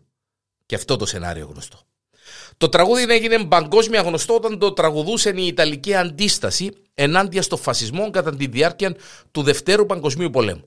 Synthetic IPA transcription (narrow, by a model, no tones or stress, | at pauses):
ceɐft̪o̞t̪o̞se̞̰nɐ̰ɾḭo̞̰ɣnost̪o̞̥ | t̪o̞t̪ɾɐɣuðine̞ʝine̞mbɐŋɡo̞zmiɐɣno̞st̪oot̪ɐnd̪o̞t̪ɾɐɣuðuse̞niːt̪ɐliciɐnd̪ist̪ɐsi | e̞nɐnd̪iɐst̪o̞ɱfɐsizmo̞ŋɡɐt̪ɐnt̪inðiɐɾciɐnt̪uðe̞ft̪e̞ɾupɐŋɡo̞zmiupo̞le̞̰mu